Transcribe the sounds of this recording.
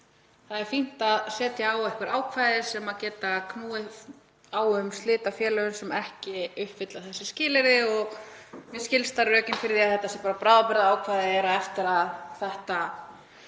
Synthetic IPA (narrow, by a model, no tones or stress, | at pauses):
θaðɛɾ̥fin̥t̪aðsɛːt̪jaawɛhkvaɾaːwkʰvajðɪsɛmacɛːt̪akʰnuːðɪ | awʏmst̪lɪːt̪afjɛːlœʏnsɛmɛhcɪʏhpfɪt̪laθɛsːɪscɪːlɪɾðɪɔɣmɪscɪlst̪aɾrœːcɪnfɪɾðɪaðθɛht̪ːasɪpaːɾapɾaːðapɪɾðaaːwkʰvajðɪɛɾaðɛft̪ɪɾaðθɛht̪a